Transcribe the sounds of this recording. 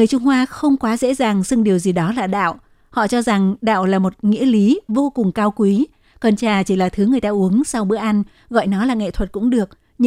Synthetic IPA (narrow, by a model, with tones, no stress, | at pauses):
ŋɨ˨˩əjt͡ɕʊ˧ŋ͡mhwaː˧xə˧wŋ͡mkwaː˨˦zḛ˧˥zaː˨˩ŋsɨ˧ŋɗi˨˩əwzi˨˩ɗɔ˨˦laː˨˩ɗa̰ː˧˨w | hɔ̰˧˨t͡ɕɔ˧za˨˩ŋɗa̰ː˧˨wlaː˨˩mo˨˩t̚ŋḭ˧˥əli˨˦vo˧kʊ˨˩ŋ͡mkaː˧wkwi˨˦ | kə˨˩nt͡ɕaː˨˩t͡ɕi˧˩laː˨˩t̪ʰɨ˨˦ŋɨ˨˩əjt̪aː˧ʔu˨˦əŋsa˧wɓɨ̰˧˥əʔa˧n | ɣɔ̰˧˨jnɔ˨˦laː˨˩ŋḛ˧˨t̪ʰwə˨˩t̚kʊ̰˧˥ŋ͡mɗɨ˨˩ək̚ | ɲ